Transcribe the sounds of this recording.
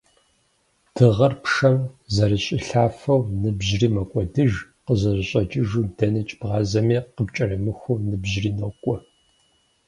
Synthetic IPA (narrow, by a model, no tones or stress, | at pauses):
d̥ʰɨʁɐrpʂɐmzɐɾɨɕʼɪɬaːfɐwnɨbʑriːmɐkʷʼɔdɨʒ | qəzɐʑɪɕʼɐd͡ʒɪʒuːdɐnɨt͡ʃʼb̥ʁɑːzɐmiːqəbt͡ʃʼɐrɐmɨxʷunɨbʑriːnokʷʼɔ